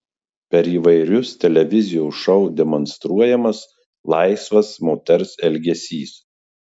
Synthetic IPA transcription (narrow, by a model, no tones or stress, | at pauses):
pʲɛɾiːʋɐɪɾʲʊst̪ʲɛlʲɛʋʲɪzʲɪjoːʃɔʊd̪ʲɛmɔnst̪ɾuɔjɛmɐs | lˠɑɪsʋɐsmoːt̪ʲɛɾsɛlʲɡʲɛsʲiːs